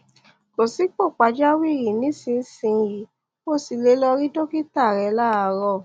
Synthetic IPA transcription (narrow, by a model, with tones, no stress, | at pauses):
ko˨si˨˦k͡po˦˨k͡pa˨˧d͡ʒa˦wi˦˨ɾi˨nĩ˨˦sĩ˧˦sĩ˧ɾi˨˦ | ko˦˨si˧le˧˦lɔ˧ɾi˦do˦ki˦ta˦˨ɾɛ˨˧la˦˨a˧ɾɔ˦˨